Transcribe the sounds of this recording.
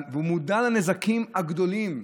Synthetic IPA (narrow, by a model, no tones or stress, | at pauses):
veumud̪alanezakimaɡd̪o̞lim